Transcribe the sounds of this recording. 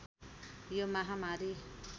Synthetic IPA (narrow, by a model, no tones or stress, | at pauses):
jomaɦamaɾi